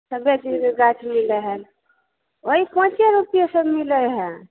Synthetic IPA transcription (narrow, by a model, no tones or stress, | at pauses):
səbjed̪iɡat͡ʃʰmiləɦəl | oɦipãt͡ʃjaɾupijesəbmiləɦɛ̃